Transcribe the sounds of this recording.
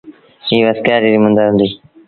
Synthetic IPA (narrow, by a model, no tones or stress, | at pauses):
iːʋəskaːɾiːɾimʊ̃nd̪aːɦʊ̃ːnd̪iː